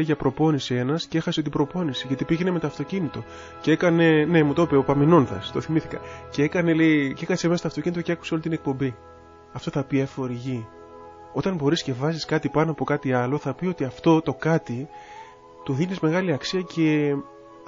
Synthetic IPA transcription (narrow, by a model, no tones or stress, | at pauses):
eʝɐpɾo̞po̞nisie̞nɐscee̞xɐseot̪ibɾo̞po̞nisiʝɐt̪ipiʝe̞nemet̪o̞ɐft̪o̞cinit̪o̞ | cee̞kɐne̞ne̞mut̪oopeopɐmino̞nθɐ̰st̪o̞θimiθikɐ̰ceekɐne̞leceekɐsemest̪ɐft̪ocinit̪oceeku̥seo̞lit̪ine̞k̚po̞mbi | ɐft̪o̞θɐpiefo̞ɾiʝi | o̞t̪ɐnbo̞ɾisce̞vɐziskɐt̪ipɐnoɐpo̞kɐt̪iɐlo̞θɐpio̞t̪iɐft̪o̞t̪o̞kɐt̪i | t̪uðinizme̞ɣɐliɐksiɐcʰe̞